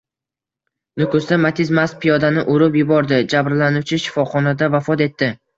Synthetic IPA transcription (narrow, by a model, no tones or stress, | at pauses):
nʊkʰʊsd̪amat̪ʰɪzmaspʰɪjɒd̪anɪʔoɾɪpjʊbɒɾd̪ɪd͡ʒabɾlanuwt͡ʃʰɪʃɪ̥fɒχɒnad̪avafɒt̪e̞t̪ːɪ